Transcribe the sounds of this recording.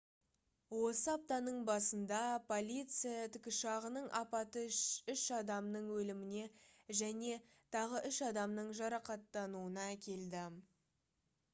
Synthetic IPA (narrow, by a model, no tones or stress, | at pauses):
wo̞səɑp̚t̪ɑnəɴbɑsənd̪ɑpʰo̞lʲijt̪sɨjat̪ʰʏkʲɪʃɑʁənəɴʔɑ̰pɑt̪əʃʏʃɑd̪ɑmnəɴwɵlɪmɪne̞ʒæne̞ | t̪ʰɑʁəʔʏʃɑd̪ɑmnəɴʒɑɾɑqɑt̪ːɑnuənɑækʲʰe̞ld̪ɪ